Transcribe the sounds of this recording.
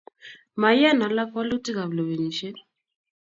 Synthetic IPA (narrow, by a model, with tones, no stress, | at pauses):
ma˨ja˦˨na˨la˦kɔ˦lu˦ti˦ka˨βlo˨βe˨ɲi˨ʃɛ˦